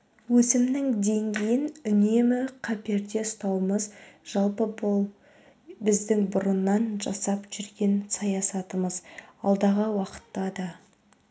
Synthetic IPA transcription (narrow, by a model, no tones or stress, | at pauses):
wɵsɪmnɪŋd̪e̞ŋɡʲejɪnʏne̞mɪqʰɑpe̞ɾd̪e̞st̪ɑwməzʒ̥ɑlˠpəbo | bɪzd̪ɪŋbʊɾənːɑnʒɑsɑpʒ̥ʏɾɡʲe̞nsɑjɑsɑt̪əməzɑ̰lˠd̪ɑʁəwɑqə̥t̪ːɑd̪ɑ